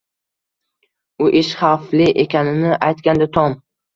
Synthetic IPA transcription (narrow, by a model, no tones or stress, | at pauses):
ʊʔɪʃχaflɪʔekʲʰanɪnɪʔajt̪kʲand̪at̪ʰɒm